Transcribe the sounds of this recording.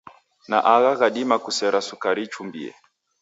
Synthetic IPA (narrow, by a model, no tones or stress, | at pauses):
na̰ʔaɣaɣaɗimakusɛɾasukaɾit͡ʃumbḭɛ̰